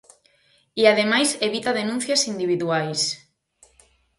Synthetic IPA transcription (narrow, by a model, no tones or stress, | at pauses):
iaðemajseβit̪aðenũn̟θjasind̪iβ̞iðuajs